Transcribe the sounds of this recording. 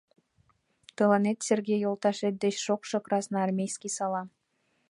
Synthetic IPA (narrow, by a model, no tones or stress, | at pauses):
t̪ɤlɑnet̪sʲerɡʲejːolˠt̪ɑʃet̪̚d̪et͡ɕʃokʃɤ̆krɑsnɑɑrmʲejskʲisɑlɑ